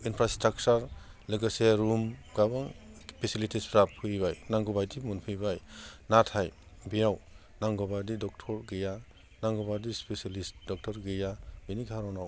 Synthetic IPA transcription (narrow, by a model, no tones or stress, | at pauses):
inpʰɾastɾak̚t͡ʃaɾ | lɯɡɯseɾumɡabaŋpʰesilitʰispʰɾapʰɯjbajnaŋɡɔbajdimunpʰɯjbajnatʰaj | bijaw | naŋɡɔbajdidɔk̚tʰɔɾɡeja | naŋɡɔbadispesalist̚dɔk̚tʰɔɾɡɯjabiniɡʰʱaɾɔnaw